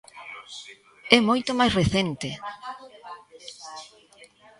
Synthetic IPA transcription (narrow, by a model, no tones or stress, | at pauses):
ɛmojt̪ʊmajsreθent̪e